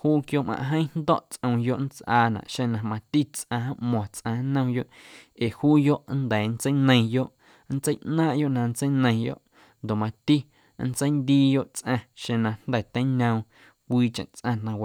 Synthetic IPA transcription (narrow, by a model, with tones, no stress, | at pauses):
huː˦kjo˦ʔmã̰˧˨ɦə̃˦n̥d̪ɔ̰˦ʔt͡sʔə̃˧w̃jo˦ʔn̩˦t͡sʔaː˧nã̰˨ʔʃẽ˧nã˧mã˧t̪i˦t͡sʔã˧ã˦ʔmɔ̃ː˨t͡sʔã˧nə̃˦˧˦jo˦ʔe˨huː˦jo˦ʔnd̪ɛː˨n˦t͡sə˦jnə̃˧j̃jo˦ʔ | n̩˦t͡sə˦jʔnãː˦ʔjo˦ʔnã˧n̩˦t͡sə˦jnə̃˧j̃jo̰˦ʔ | nd̪o˨mã˧t̪i˦ | n̩˦t͡sə˦jnd̪iː˦jo˦ʔt͡sʔã˧ʃẽ˧nã˧nd̪ɛ˨t̪ə̃˦nə̃˧w̃ | kʷiː˧t͡ʃə̰̃˨ʔt͡sʔã˧˨nã˧wa˨